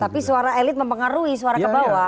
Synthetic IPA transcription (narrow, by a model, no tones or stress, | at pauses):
t̪apisuaɾaɛlɪt̪̚məmpəŋaɾuisuaɾakəbawa